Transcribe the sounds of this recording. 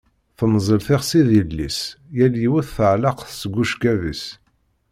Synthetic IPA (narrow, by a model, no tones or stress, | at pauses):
θənzˤəlθɪʁsiðilːisjæljiwuθθəʕlɑqθsəɡʷːuʃkævə̰s